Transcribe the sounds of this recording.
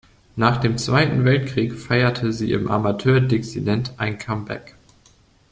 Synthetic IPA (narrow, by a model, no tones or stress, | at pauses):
naːχd̥eːmt͡sv̥aɪtn̩vɛltkʁ̥iːkfaɪɐtʰəzḭːʔɪ̰mʔa̰matʰøːɐdet͡sidɛntʔaɪnkʰambɛ̰k